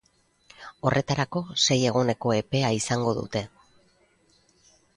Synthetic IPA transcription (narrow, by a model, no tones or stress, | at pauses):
o̞rʔe̞t̪aɾako̞se̞je̞ɣ̞one̞ko̞e̞pe̞aisaŋɡo̞ðṵt̪e̞